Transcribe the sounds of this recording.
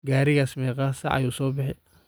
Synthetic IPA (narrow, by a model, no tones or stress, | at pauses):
ɡaːɾɪɣaːsmɛːqɑːsɐ̰ʔɐ̰juːsɔːbɑħɛ